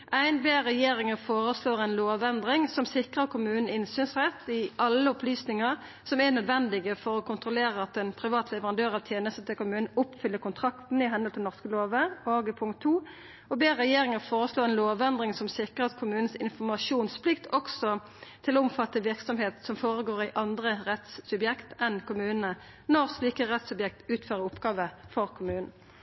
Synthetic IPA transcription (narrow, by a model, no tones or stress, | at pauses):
ʔæɪnbeːʁɛjeːʁɪŋəfoːʁəsloːʁæɪnloːʋɛnd̪ʁɪŋsɔmsɪkʁəʁ̚kʰʊmʉːnən̩ɪnsyːnsʁɛt̪ːɪʔɑlːəʊpʰlyːsnɪŋəʁ | sɔmɛnœd̪ʋɛnd̪ɪɡəfɔɾɔkʰʊnt̪ɾʊleːɾəɑt̪̚d̪ɛnpʰɾɪʋɑːt̪lɛʋəʁɑnd̪øːʁɑʋt̪ʰjeːnəst̪ət̪ʰɪlkʊmʉːnn̩ʊpfʏlːəkʊnt̪ʰʁɑkt̪n̩ɪɦɛnəlt̪ʰɛnɔʁskəloːʋəoːɡpʰʊŋkt̪ʰːuː | ɔbeːɛjeːʁɪŋəʁfoːʁəsloːɛnloːʋɛnd̪ʁɪŋsɔmsɪkːəʁɑt̪kʰʊmʉːnn̩sɪnfɔʁmɑʂuːnspʰlɪkt̪ʰɔksɔ | t̪ʰɪloʊmfɑt̪ːəʋɪʁksɔmɦeːt̪sɔmfoːʁəɡoːʁæɪʔɑnd̪ʁəʁɛt̪sːʉbjɛkt̪ɛnkʊmʉːnənə | nɔʁsliːkəʁɛt̪sʉbjɛk̚t̪ʉːt̪føːʁəʊpɡɑːʋəfɔʁkʰʊmʉːnn̩